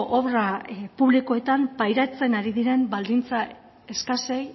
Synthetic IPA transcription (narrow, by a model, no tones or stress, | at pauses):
ʔoβrapuβlikoe̞t̪ampajɾat͡se̞naɾiðiɾe̞mbald̪int͡sa | e̞skase̞j